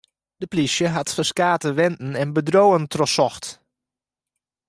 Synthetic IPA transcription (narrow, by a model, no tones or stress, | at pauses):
d̥əplisjəɦatfəskaːtəʋɛntn̩ɛnbədrowəntrɔsɔxt